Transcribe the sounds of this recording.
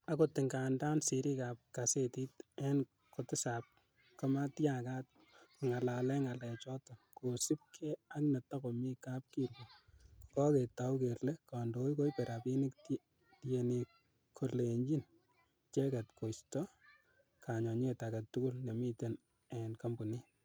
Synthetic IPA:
akotɪŋɡanda˦nsi˨ɾi˦kap̚kaseti˦tɛn | kotɪ˦sap̚ | kɔma˦tjaka˦t̚ | ku˨ŋa˨lalɛ˦ŋa˨lɛ˨t͡ʃɔ˦tɔ˨ko˨si˦p̚kʰe˦a˦kne˨ta˦komi˦kap̚kiɾwɔku̥kɔ˦ke˨taukeɾle˦kando˦jko˦jpe˨ɾa˨pi˦nikt | tjeni˨ | kʰo˨leɲd͡ʒi˦n | t͡ʃe˦ka˨tko˨stɔ | kʰaɲɔ˨ɲ˦etaɡa˨tːu˦ku˦lne˨mi˦ten | ɛnka˦mbu˨ni˦

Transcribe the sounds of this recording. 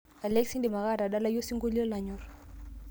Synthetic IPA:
a˨lɛ˦ksi˦ndi˨ma˨ɣa˦˨ɾa˨ɗa˦la˦jɔ˦si˦ŋɡo˦li˦ɔ˦la˨ɲɔ˨ɾ

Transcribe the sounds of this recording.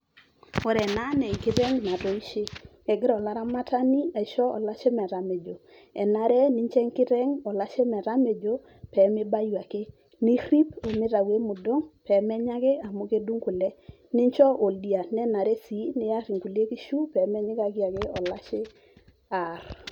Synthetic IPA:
ɔ˨ɾɛ˨na˦nɛ˨kɪ˦ɾɛ˦ŋna˨tɔ˨i˦ʃɪ˦ | ɛ˨ɡɪ˦ɾɔ˨la˦ɾa˦ma˦ta˦ni˦ɛ˨ʃɔ˦ɔ̰˨la˦t͡ʃe˦mɛ˨ɾa˨me˨d͡ʒo˨ | ɛ̰˨na˨˦ɾɛ˦nɪ˦ɲt͡ʃɛ˦ŋkɪ˦ɾɛ˦ŋɔ˨la˦t͡ʃe˦mɛ˨ɾa˦me˨d͡ʒo˦ | pɛ˨˦mɪ˦ba˦ja˨ke˦ | nɪ˦ɾi˦pɔ˨mɪ˦ɾa˨we˦mʊ˨dɔ˦ŋpɛ˨˦mɛ˦ɲa˦ɡe˦a˨mo˦ke˦du˦ŋku˨lɛ˦ | nɪ˦ɲt͡ʃɔ˦ʔo˨ldi˨a˨nɛ˦na˨ɾɛ˦si˨˦nɪ˨a˦ɾi˨ŋku˨le˦ki˦ʃu˦pɛ˨˦mɛ˦ɲɪ˦ka˨ɡɪ˦a˨ɡe˦ɔ˨la˦t͡ʃɪ˦ | a˨r

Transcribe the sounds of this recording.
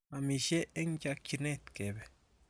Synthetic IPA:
a˨mi˨ʃe˦e˦ŋd͡ʒa˧kt͡ʃi˧ne˦t̪ke˨be˨

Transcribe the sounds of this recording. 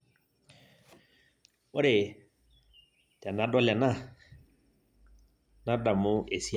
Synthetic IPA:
o˦ɾe˨ | tɛ˨na˨˦dɔ˦la˨na˦˨ | na˦da˨mʊ˦e˨si˦

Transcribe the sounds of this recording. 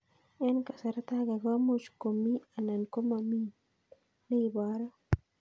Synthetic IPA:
ɛ˦nka˨sa˨ɾa˦t̪a˦ɡa˨ɡa˦mot͡ʃko˨mi˦a˨na˨nko˦mami˦ | ne˦ibaɾa˦

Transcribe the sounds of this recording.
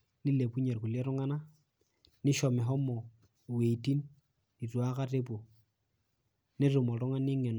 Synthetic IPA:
nɪ˦le˨pu˦ɲe˨ɾku˨lɛ˦ɾɔ˦ŋa˦na˦ | nɪ˦ʃɔ˨mɛ˨ɦɔ˦mɔ˨ | we˨i˨ti˦n | di˨t͡swa˦ka˦rɪ˦pɔ˨ | nɪ˦rʊ˨mɔ˨ɾɔ˦ŋa˦nɪ˦ŋɛ˨n

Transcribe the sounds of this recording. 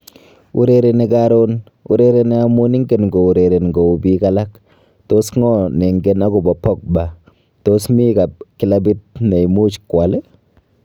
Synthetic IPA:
ṵ˦ɾe˨ɾe˨ne˨kaɾo˦n | ṵ˦ɾe˦ɾe˧ne˦a˦mu˦ni˦ŋɡe˨nŋɡo˨u˨ɾe˨ɾe˨nŋɡo˨u˨bi˦kala˦k | to˦sŋɔ˦ne˨ŋɡe˦na˦ku˨bɔ˨pɔ˦k̚ba˨ | to˦smi˦ka˨p̚ki˨˦la˦bi˦t̚ne˨i˨mu˦t͡ʃkwa˨le˦

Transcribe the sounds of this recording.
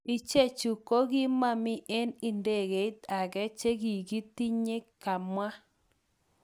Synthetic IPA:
i˨t͡ʃe˦t͡ʃu˨ko˦ɣi˦ma˦mɪ˦ʔe˦nɪ˨nde˨ɣe˨i˦ta˨ɣɛ˦t͡ʃe˦ɣi˨ɡi˦ti˦ɲe˦ka˨mwa˦

